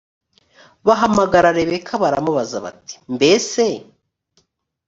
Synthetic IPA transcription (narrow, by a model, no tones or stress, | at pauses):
βaɦamaɡaɾaɾeβekʰaβaɾamuβazaβa̰ti̥mbe̞se̞